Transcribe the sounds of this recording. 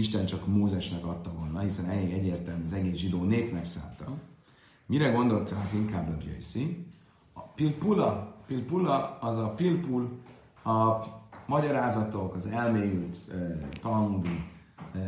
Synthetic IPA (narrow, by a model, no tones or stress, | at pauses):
iʃt̪ɛnt͡ʃɒkmoːzɛʃnɛkɒt̪ːɒvo̞lnːɒɦisɛnɛleːɡɛɟːeːrt̪ɛlmyɒzɛɡeːsʒid̪oːneːpnɛksa̰ːnt̪ɒ | miɾɛɡo̞nd̪o̞lt̪at̪iŋkaːbːɒbjø̰jsi | pilpulɒpilpulɒɒzɒpilpul | ɒmɒɟɒɾaːzɒt̪o̞kɒzɛlmeːjylt̪øt̪ɒŋd̪i